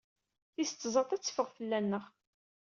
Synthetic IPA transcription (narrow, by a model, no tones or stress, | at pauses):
θist͡s̪ːzˤɑt̪ˤæt͡sːə̥fəʁfəlːænːəʁ